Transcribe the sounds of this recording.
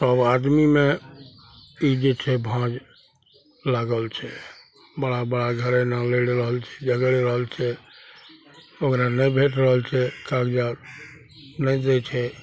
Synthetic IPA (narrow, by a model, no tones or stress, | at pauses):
səbad̪mime | id͡ʒet͡ʃʰɛbʱãd͡ʒ | laɡəlt͡ʃʰɛ | bəɽabəɽaɡʱəɾenaleɽɾəɦəlt͡ʃʰɛ̥d͡ʒəɡɽeɾəɦəlt͡ʃʰɛ | okɾanɛjbʱeʈɾəɦəlt͡ʃʰɛkakd͡ʒaɾ | nɛd̪ɛt͡ʃʰɛ